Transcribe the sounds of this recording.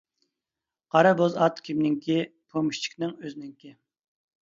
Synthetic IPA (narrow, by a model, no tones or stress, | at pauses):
qʰɑɾɑbozɑt̪kʲʰimnɪŋkʲʰipʰomiʃt͡ʃʰi̥kʲnɪŋøznɪŋkʲi